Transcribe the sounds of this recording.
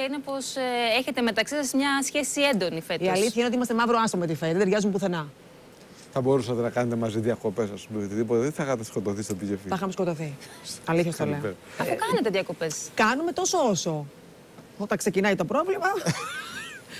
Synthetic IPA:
ɐinepo̞seçe̞t̪e̞me̞t̪ɐksisɐsmɲɐsçe̞sie̞nd̪o̞nifet̪iɐliθçɐineot̪imɐst̪e̞mɐvɾoɐst̪omet̪̬ife̞t̪t̪eʝɐzumpuθe̞nɐ | θɐbo̞ɾusɐt̪enɐkɐne̞t̪emɐziðiɐko̞pe̞sɐspumeot̪iðipot̪eðeθxɐt̪ɐsko̞t̪oθist̪obiʝefiθɐxɐmsko̞t̪oθiɐliθçɐst̪oleoɐfukɐnet̪eðiɐko̞peskɐnume̞t̪o̞sooso̞ | o̞t̪ɐŋkse̞cinɐjt̪o̞pɾo̞vlimɐ

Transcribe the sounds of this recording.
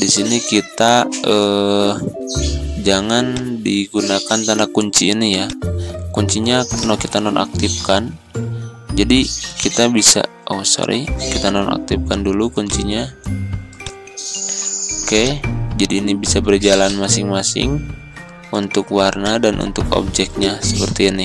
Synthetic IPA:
disinikit̪aə | d͡ʒaŋandiɡunakant̪anakuɲt͡ʃiːnijakuɲt͡ʃiɲanɔkit̪anɔnʔa̰k̚t̪ifkan | d͡ʒadikit̪abisa̰ | osɔ̰ɾḭkit̪anɔna̰k̚t̪ifkandulukuɲt͡ʃiɲa | kɛd͡ʒadiːnibisabərd͡ʒalanmasɪŋmasɪ̰ŋ | unt̪ʊkwarnadanṵnt̪ʊkɔ̰b̚d͡ʒɛk̚t̪̚ɲasəpərt̪iːni

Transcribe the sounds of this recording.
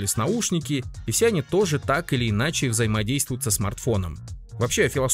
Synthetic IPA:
lʲɪsʲnɐuʂnʲɪkʲɪɪfsʲeɐnʲit̪o̞ʐɨt̪akɨlʲɪːnat͡ɕɪvzəjɪmɐdʲejst̪vʊjʊt̪səsmɐ̰rt̪fo̞nə̰mvɐpɕe̞ɐfʲɪlˠɐs

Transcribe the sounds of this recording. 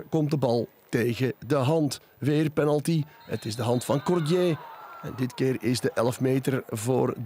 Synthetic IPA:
kɔmtdəbɑlˠ | teːɣədəɦɑnt | ʋeːrpɛnəlˠtihə̰tɪzdəɦɑntfɑnkɔrdjeːɛ̰ndɪtkɪːrɪzdəʔɛləfmeːtərvo̰ːr

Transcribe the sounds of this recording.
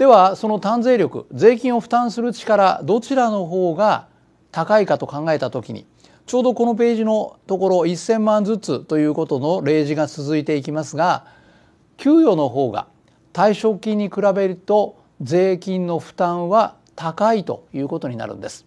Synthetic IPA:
d̪e̞βaso̞no̞t̪ãnze̞ːɾʲjo̞kɯ̰d͡ze̞ːkʲĩɰ̃o̞ɸɯ̥t̪ãɰ̃sɨɾɯ̟t͡ɕi̥kaɾa̰d̪o̞t͡ɕiɾano̞ɦo̞ːɡa | t̪akaikat̪o̞kãŋɡae̞t̪at̪o̞kʲḭɲ̟ḭ | t͡ɕo̞ːd̪o̞ko̞no̞p̬e̞ːʑino̞t̪o̞ko̞ɾo̞isẽ̞mːãnd͡zɨt͡sɨt̪o̞jɯ̟ːko̞t̪o̞no̞ɾe̞ːʑiɡat͡sɨzɨit̪e̞ikʲimasɨɡa | kʲɨːjo̞ːno̞ɦo̞ːɡa̰ | t̪aiɕo̞kʲːĩɲ̟ːikɯ̟ɾabe̞ɾɯt̪o̞ | ze̞ːkʲĩnno̞ɸɯ̟̥t̪ãɰ̃βa | t̪akait̪o̞̰jɯ̟ːko̞t̪o̞ɲ̟ina̰ɾɯ̟̰nd̪e̞sɨ̥

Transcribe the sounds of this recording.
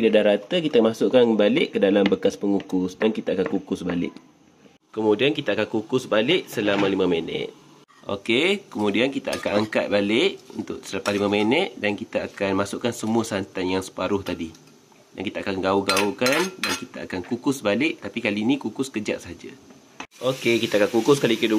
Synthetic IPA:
biladahɾat̪əkit̪amasʊʔkanbalɪʔkːədalambəkaspəŋukʊsdankit̪aakankukʊsbalɪ̰ʔ | kəmudiankit̪aakankukʊsbalɪʔsəlamãlimãmenɛ̰t̪̚ | ʔo̰kekəmudiankit̪aa̰kanaŋkat̪̚balɪʔunt̪ʊʔsəlapahlimamenɛt̪̚dankit̪aakanmasʊʔkansəmuəsant̪anjaŋsə̥paɾʊht̪adi | da̰nkit̪aakanɡauɡaukandankit̪aakankukʊsbalɪʔ̚t̪apikalinĩkukʊskəd͡ʒa̰ʔsəɦad͡ʒa̰ | okekit̪akankukʊs̬kalikədu

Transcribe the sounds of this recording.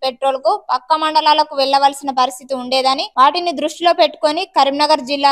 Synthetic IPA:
peʈɾo̞ːlkupɐkːɐmɐɳɖɐlaːlɐkuʋɛɭːɐʋaːlsinɐpɐɾist̪ʰit̪iuɳɖeːd̪ɐniʋaːʈinid̪ɾuʂʈilo̞ːpeʈːu̥ko̞nikɐɾimnɐɡɐɾd͡ʒilːaː

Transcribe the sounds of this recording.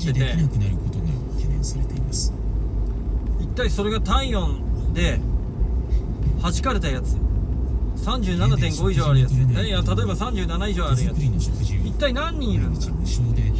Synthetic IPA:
et̪eiɾokɯ̟naɾɯ̟kot̪oɡa̰ | t̪ʰenẽsaɾet̪e̞imasɨ̥ | it̪ːaiso̞ɾe̞ɡat̪ãĩjõ̞nd̪e̞ | hat͡ɕi̥kaɾe̞t̪ajat͡sɨ | sãɲ̟d͡ʑɨːnanat̪ẽ̞ŋɡo̞iʑoːaɾɯ̟jaɨnejat̪at̪o̞e̞basãɲ̟d͡ʑɨːnanaiʑo̞ːaɾɯ̟jat͡sɯɾinoɕokɯ̟ʑit̪ːainãɲ̟ːĩiɾɯ̟̃n | ɕod̪e

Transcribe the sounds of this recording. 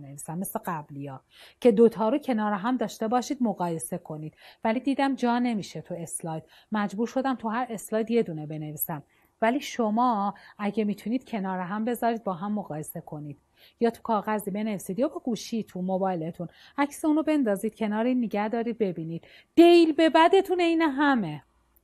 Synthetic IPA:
neviːsæmːesleɡæblijɒː | cʰe̞d̪ot̪ʰɒːɾucʰe̞nɒːɾɛɦæmd̪ɒːʃt̪e̞bɒːʃiːd̪moɣɒːje̞se̞kʰo̞niːd̪̥væliːd̪iːd̪æmd͡ʒɒːne̞miːʃet̪ʰue̞slɒːjd̪̥ | mæd͡ʒbuːɾʃo̞d̪æmt̪ʰuɦæɾe̞slɒːjd̪je̞d̪uːnebe̞ne̞viːsæm | væliːʃomɒːæɟemiːt̪ʰuniːd̪̥̚cʰe̞nɒːɾeɦæmbe̞zɒːɾiːd̪̚bɒːɦæmːo̞ɣɒːje̞se̞kʰo̞niːd̪̥ | jɒːt̪ʰu̥kʰɒːɣæziːbe̞ne̞viːsiːd̪jɑːbɒːɡuːʃit̪ʰumobɒːjle̞t̪ʰun | æcʰseuːnobe̞nd̪ɒːziːd̪̥̚cʰe̞nɒːɾeinːeɟæhd̪ɒːɾiːd̪̚be̞biːniːd̪̥ | d̪̥e̞jlbe̞bæd̪e̞t̪ʰuneiːnɛɦæme

